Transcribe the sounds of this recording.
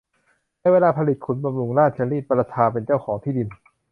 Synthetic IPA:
na˧˥˨weː˧laː˧pʰa˧li˨˩t̪̚kʰu˨˩˦nba˧mlu˧ŋnaː˥˩t̪̚t͡ɕʰaː˧ɾiː˥˩t̪̚pa˧ɾa˧t̪ʰaː˧pe˧nt͡ɕaː˥˩wkʰɔː˩˦ŋt̪ʰiː˥˩di˧n

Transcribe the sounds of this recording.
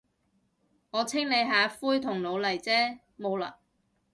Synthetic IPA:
ŋɔː˨˧t͡sʰɪ˥ŋne˨˧jɦaː˨˥fuː˥jt̪ʰʊ˨˩ŋlo˨˧wlɐ˨˩jt͡sɛː˥ | mo˨˧wla̰ː˧˨

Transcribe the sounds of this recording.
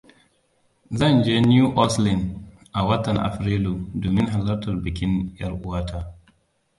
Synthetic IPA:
zɐ˦˨nd͡ʒeː˦njuː˦ʔɔ˦slɪ˨nd | ʔa˨wɐ˦tɐ˨ŋʔa̰˨ɸɾeː˦luː˨doː˨mɪ˦ŋɦa˨lɐ˦rtɐ˨rbɪ˨kʲɪ˦njɐ˦rʔʊ˦waː˦taː˦

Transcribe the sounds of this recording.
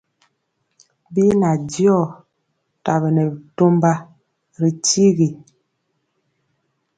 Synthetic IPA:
bi˦na˨djɔ˦˨ | ta˨bə˨nɛ˨bto˦mba˦ | ɾi˨ti˦ɣi˨

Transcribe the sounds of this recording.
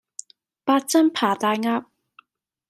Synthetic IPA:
paː˧t̚t͡sɐ˥mpʰaː˨˩t̪aː˨˧jŋaː˧p̚

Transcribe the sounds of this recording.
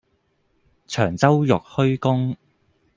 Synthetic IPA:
t͡ʃʰœː˨˩ŋt͡sɐ˥wjʊ˨k̚hɵ˥ɥkʊ˥ŋ

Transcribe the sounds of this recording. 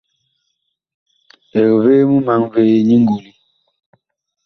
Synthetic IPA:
e˨ɣveː˦mu˦ma˨˦ŋve˦ɲi˦ŋ˦ɡu˨li˦

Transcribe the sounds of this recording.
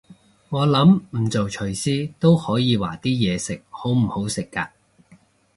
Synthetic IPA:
ŋɔː˨˧lɐ˨˥mm̩˨˩t͡so˨wt͡ʃʰɵ˨˩ɥsiː˥t̪o˥whɔː˨˥jiː˨˧wa̰ː˨˩t̪iː˥jɛː˨˧sɪ˨k̚ho˨˥wm̩˨˩ho˨˥wsɪ˨kːaː˧

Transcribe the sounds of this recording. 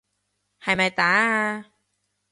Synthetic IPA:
ha˨˩jma˧jt̪aː˨˦

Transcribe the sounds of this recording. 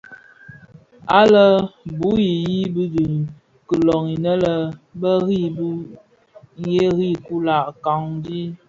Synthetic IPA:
a˦lə˦bu˦ji˨ji˦bi˦di˨ | kə˨lɔ˨ŋi˨nə˦lə˦bə˦ɣi˦˨bu˦ | je˦ɣi˦˨ku˦la˨ʔka˨ŋdi˦

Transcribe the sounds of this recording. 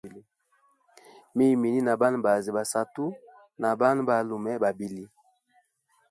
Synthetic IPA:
li˦ | mi˦˨mi˨ni˦na˨ba˦n˨ba˨zi˨ba˨sa˦tu˦ | na˨ba˦n˦ba˨lu˨mɛ˦ba˨bi˦li˦

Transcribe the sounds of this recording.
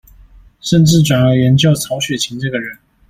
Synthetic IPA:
ʂə˥˧nʈ͡ʂɻ̩˥˩ʈ͡ʂwa˨˩njɑ˥˩ʊɥɛ˧˥nt͡ɕjɑ˥˩ʊt͡sʰɑ˧˥ʊɕɥɛ˨˩t͡ɕʰi˧˥ŋʈ͡ʂɤ˥˩ɡə˩ɻə˧˥˦n

